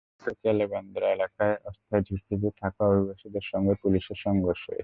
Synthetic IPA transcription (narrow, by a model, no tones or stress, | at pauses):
sokialeband̪ɾaelakaeɔst̪ʰaed͡ʑʱut̪ʰid̪it̪ʰakaobʱibaʃid̪eɾʃɔŋɡepuliʃeɾʃɔŋɡoʃoḛ